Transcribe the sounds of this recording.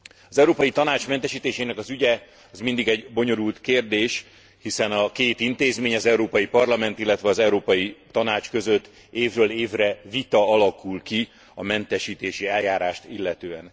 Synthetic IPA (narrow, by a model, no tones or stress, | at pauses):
ɒzɛuɾoːpɒjit̪ɒnaːt͡ʃmɛnt̪ɛʃiːt̪eːʃeːnɛkɒzyɟɛ | ɒzmind̪iɡɛɟbo̞ɲo̞ɾult̪keːrd̪eːʃ | hisɛnɒkeːt̪int̪eːzmeːɲɒzɛuɾoːpɒjipɒrlɒmɛnt̪ilːɛt̪ʋɛɒzɛuɾoːpɒjit̪ːɒnaːt͡ʃkø̞zøt̪ː | eːvrøːleːvrɛvit̪ɒɒlɒkulki | ɒmɛnt̪ɛʃiːt̪eːʃiɛljaːɾaːʃt̪ilːɛt̪øːɛn